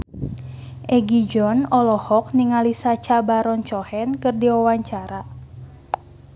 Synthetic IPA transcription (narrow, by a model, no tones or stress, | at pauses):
ʔɛɡid͡ʒɔnɔlɔhɔk̚niŋalisat͡ʃabaɾɔnt͡ʃɔhɛnkɨrdiɔwaɲt͡ʃaɾa